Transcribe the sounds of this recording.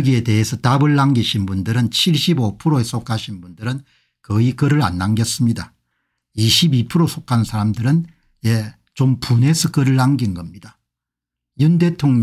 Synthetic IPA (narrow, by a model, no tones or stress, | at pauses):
ɡie̞te̞ɦesʰʌtabɯɭːaŋɡiɕʰinbundɯɾɯnt͡ɕʰiɭɕ͈ibopʰɯɾoes͈ʰokʰaɕʰinbundɯɾɯn | kɯikɯɾɯɾa̰nːaŋɡjʌs͈ɯmɲida | iɕʰibipʰɯɾosʰokʰannsʰaɾamdɯɾɯn | je̞ | t͡ɕompune̞sʰʌkɯɾɯɭːaŋɡinɡʌmɲida | junde̞tʰoŋɲ